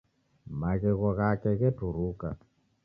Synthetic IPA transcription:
maɣɛɣɔɣakɛɣɛtuɾuka

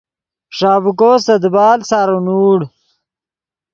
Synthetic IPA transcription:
ʂaːvukosɐd̪baːlsaɾunuːɽ

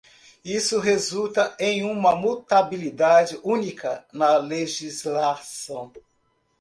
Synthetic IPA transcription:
isʊɦezut̪ɐẽj̃ũmɐmut̪abilid̪ad͡ʒɪʔũnikʰɐnɐleʒizlasɐ̃w̃

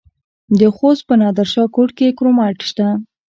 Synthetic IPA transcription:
d̪əxos̚pənɑd̪aɾʃɑkoʈkekɾomɑʈʃt̪a

